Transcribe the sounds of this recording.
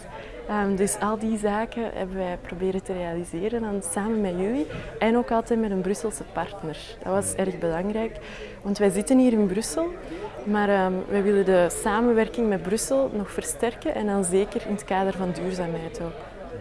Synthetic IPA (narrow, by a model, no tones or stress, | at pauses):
əmdʏsɑlˠdizaːkəɦɛ̰bəʋɛjprobeːɾəntəreːalizeːɾəndɑnsaːmənmɛjyliɛnoːkɑlˠtɛːtmɛdənbrʏsəlˠsəpɑrtnər | d̥ɑ̰tʋɑsɛrɣbəlɑŋɾɛːk | ʋɑntʋɛjzɪtənɦiːɾɪnbrʏsəlˠ | maːɾəːmʋɛjʋɪlədəsaːmənʋɛrkɪŋmɛd̚brʏsəlˠnɔxfərstɛrkənʔɛ̰ndɑnzeːkəɾɪnətkaːdərvɑndyːrzaːmɦɛjtoːk